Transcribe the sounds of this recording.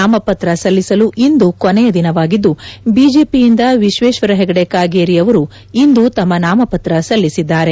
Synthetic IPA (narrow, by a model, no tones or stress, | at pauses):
aːmɐpɐt̪ɾɐsɐlːisɐluʔind̪ukonejɐd̪inɐʋaːɡid̪ːubiːd͡ʒe̞ːpijind̪ɐʋiʃʋeːʃʋɐɾɐɦɛɡɐɽekaːɡeːɾijɐʋɐɾu | ind̪ut̪ɐmːɐnaːmɐpɐt̪ɾɐsɐlːisid̪ːaːɾe̞